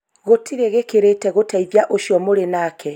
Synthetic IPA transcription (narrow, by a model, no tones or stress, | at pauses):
ɣotʰiɾeɣekeɾetɛɣotʰɛiðjaʔoʃiɔmoɾenaːkʰɛ